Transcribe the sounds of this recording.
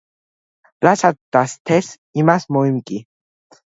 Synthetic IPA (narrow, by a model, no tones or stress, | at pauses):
ɾasat̪̚d̪ast̪ʰɛs | imasmɔimkʼi